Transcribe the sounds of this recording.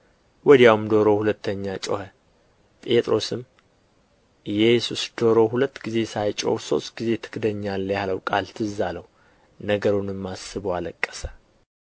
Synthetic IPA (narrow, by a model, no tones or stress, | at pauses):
wɔd̪jawmd̪o̞ɾo̞hulət̪ʰːəɲːat͡ʃʼo̰hə | pʼe̞t̪ʼɾo̞sɨm | jɛjsusd̪̥o̞ɾo̞hulət̪ːɡize̞sajt͡ʃʼo̰hso̞̰st̪ɡize̞t̪ʰɨ̥kd̪əɲːalːjaləwkʼalt̪ʰɨzaləwu | nəɡəɾunɨmːasɨβoaləkʼːəsə̥